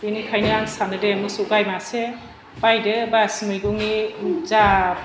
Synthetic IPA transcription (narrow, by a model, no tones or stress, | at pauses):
benikʰajnɯaŋsanɯdemɯsɔɡajmase | bajdɯbasimɯjɡɔŋniza